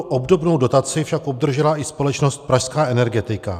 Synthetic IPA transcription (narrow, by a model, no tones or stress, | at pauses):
ʔobdo̞bno̞wdo̞t̪at͡sɪfʃako̞b̚d̪r̩ʒɛlaʔɪspo̞lɛt͡ʃnost̪̚pɾaʃskaːʔɛnɛɾɡɛt̪ɪka̰